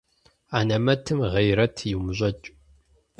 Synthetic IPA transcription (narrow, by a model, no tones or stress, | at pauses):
aːnɐmɐtʰɨmʁɐjɾɐtʰjɪwmɨʑʷʼɐt͡ʃʼ